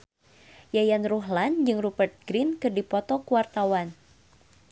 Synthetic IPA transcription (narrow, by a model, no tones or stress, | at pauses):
jajanruɦland͡ʒɨŋrubərt̪̚ɡɾinkɨrdipɔt̪ɔkuwart̪awan